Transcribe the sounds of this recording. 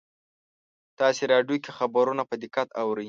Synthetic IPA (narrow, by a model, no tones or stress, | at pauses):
t̪ɑseɾɑɖjokexabaɾunapəd̪ɪkat̪awɾəj